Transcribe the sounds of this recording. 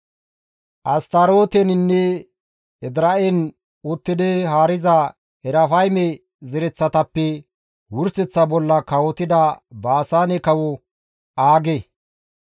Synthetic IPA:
ʔɐst̪ɐɾoːt̪ɛnɪnːɛ | ɛd̪ɾɐʔɛn | ʊt̪ːɪd̪ɛhaːɾɪzɐ | ɛɾɐfɐjmɛ | zɛɾɛt͡sːɐt̪ɐpːɛ | wʊɾsɛt͡sːɐbɔlːɐkɐwɔt̪ɪd̪ɐbaːsaːnɛkɐwɔ | aːɡe

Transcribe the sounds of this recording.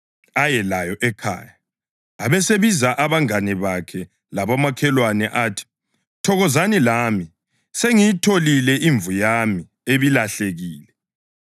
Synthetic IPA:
ajɛlajɔʔɛkʰa̰ːja | aβɛseβizaʔaβaŋanɛβakʰɛ | laβamakʰɛlwanɛʔatʰi̥ | tʰɔɣɔzanilami | seŋijitʰolilɛʔiɱvujami | eβilaɬeɣiːlɛ

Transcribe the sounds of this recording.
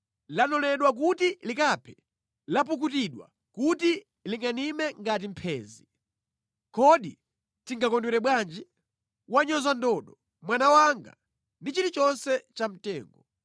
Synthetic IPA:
lanɔlɛɗwak̬utilikapʰɛ | lap̬uk̬utiɗwa̰ | kuti | liŋɡanimɛŋɡat̬im̩pʰɛːzi | kɔɗi | tiŋɡakɔndwɛɾɛɓwand͡ʒi | waɲɔzandɔɗɔ | mwanawaŋɡa̰ | ndit͡ʃitit͡ʃɔnsɛt͡ʃam̩tɛ̰ːŋɡɔ

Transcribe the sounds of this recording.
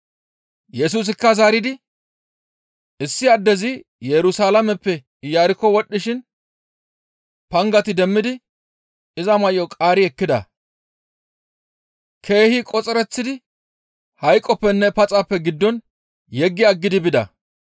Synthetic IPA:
jɛs̬uːs̬ɪkːɐzaːɾɪd̪ɪ | ɪsːɪɐd̪ːɛzɪ | jɛɾʊsaːlɐmɛpːɛ | jaːɾɪkːɔwɔɗːɪʃɪn | pɐŋɡɐt̪ɪd̪ɛmːɪd̪ɪ | ɪzɐmɐjɔkʼaːɾɪɛkːɪd̪ɐ̰ | kʰe̞ːhɪkʼɔt͡sʼɛɾɛt͡sːɪd̪ɪ | hɐjkʼːɔpːɛnːɛpɐt͡sʼapːɛɡɪd̪ːɔn | jɛɡːɪɐɡːɪd̪ɪbɪd̪ɐ̰

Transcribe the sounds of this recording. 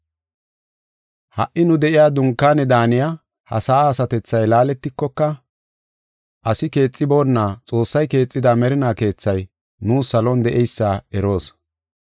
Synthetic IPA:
hɐ̰ʔːɪnʊd̪ɛʔɪjaːd̪ʊŋkːaːnɛd̪aːnɪja | hɐ̰saːsɐt̪ɛt͡sːɐjlaːlɛt̪ːɪkːɔkːɐ | ʔɐsɪke̞ːt͡sʼːɪbo̞ːnːaːt͡sʼo̞ːsːɐjke̞ːt͡sʼːɪd̪amɛɾɪnaːke̞ːt͡sːɐj | nuːsɐlɔnd̪ɛʔɛjsːaːɛɾo̞ːs

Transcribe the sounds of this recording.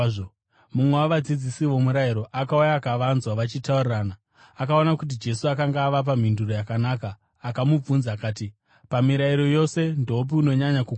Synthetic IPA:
mumwe̞waʋad͡zid͡zisiʋo̞muɾaiɾo̞ʔakaujaːkaʋanzwaʋat͡ʃitauriraːna | akao̞nakut̬id͡ʒe̞suakaŋɡaːʋap̬am̤induro̞jakanaːkaː | kamub͡vunzaːkaːti | pamiɾaiɾo̞jo̞se̞ndoup̬iuno̞ɲaɲakuk

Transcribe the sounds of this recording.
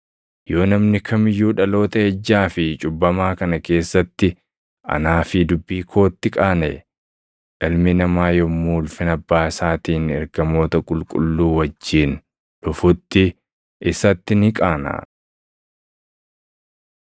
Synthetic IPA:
jo̞ːnɐmnɪkʰɐmɪjːuːᶑɐlo̞ːt̪ɐɛd͡ʒːaːfɪt͡ʃʼʊbːɐmaːkɐnɐke̞ːsːɐt̪ːɪ | ɐ̰naːfɪd̪ʊbːiːkʰo̞ːt̪ːɪkʼaːne | ᶑɐlmɪnɐmaːjɔmuːlfɪnɐbːaːɪsaːt̪iːnɛ̰ɾɡɐmo̞ːt̪ɐkʼʊlkʼʊ̰lːuːwɐd͡ʒːiːn | ᶑʊfʊt̪ːɪ | ɪsɐt̪ːɪnɪkʼaːna̰ː

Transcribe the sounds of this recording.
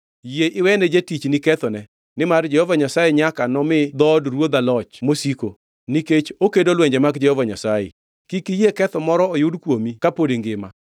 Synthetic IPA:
jeʔɪwɛnɛd͡ʒetit͡ʃnikɛt̪ɔnɛ | nɪmard͡ʒɛhɔvaɲasajeɲakanɔmɪd̪ɔdɾwod̪alɔt͡ʃmosiko | niket͡ʃokedolwɛɲd͡ʒɛmaɡd͡ʒɛhɔvaɲasajḛ | kikijekɛt̪ɔmɔɾɔojʊdkwomikapodeŋɡɪma̰

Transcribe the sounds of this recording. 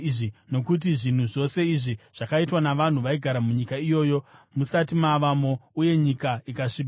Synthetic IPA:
ʐino̞kut̬iʐin̤uʐo̞se̞iʐiʐ̥akaitwanaʋan̤uʋaiɡʱaɾamuɲikaijo̞ːjo̞musatimaʋamo̞uje̞ɲikaikaʂib

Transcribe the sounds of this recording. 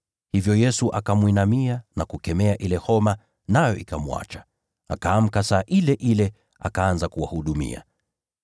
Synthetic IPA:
hivjɔjɛsuʔakamwinamianakukɛmɛaʔilɛhɔma | najɔʔikamua̰t͡ʃḁ | akaːm̩kasaːʔilɛʔilɛ | a̰kaanzakuwa̰huɗumḭa̰

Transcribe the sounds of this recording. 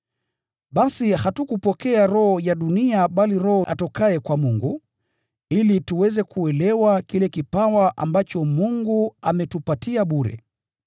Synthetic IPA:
ɓasihatukupɔkɛaɾɔhɔjaɗuniaɓaliɾɔhɔʔa̰tɔkaɛkwamuŋɡu | ilituwɛzɛkuɛlɛwakilɛkipawaʔa̰mbat͡ʃɔmuŋɡuamɛtupatiaɓuɾɛ̰

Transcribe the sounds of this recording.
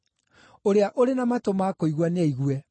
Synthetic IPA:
oɾeaʔoɾenamatomakoiɣwaneiɣwɛ

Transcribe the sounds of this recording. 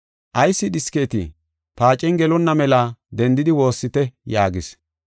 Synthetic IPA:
ʔɐjsːɪɗɪske̞ːt̪ɪ̰ | paːt͡ʃʼɛnɡɛlɔnːɐmɛlad̪ɛnd̪ɪd̪ɪwo̞ːsːɪt̪ɛjaːɡɪs

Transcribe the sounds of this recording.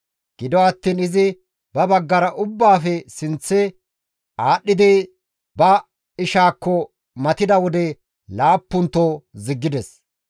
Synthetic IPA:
ɡ̥ɪd̪ɔɐt̪ːiːnɪzɪ | bɐbɐɡːɐɾɐʔʊbːaːfɛsɪnt͡sːɛ | aːɗːɪd̪ɪ | bɐ | ɪʃaːkːɔ | mɐt̪ɪd̪ɐwɔd̪ɛ | laːpːʊnt̪ːoːzɪɡːɪd̪ɛs

